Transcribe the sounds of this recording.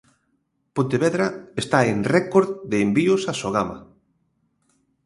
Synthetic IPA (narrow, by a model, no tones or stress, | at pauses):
põnt̪eβeðɾaest̪aenrɛkoɾððeːmbiʊsasoɣama̰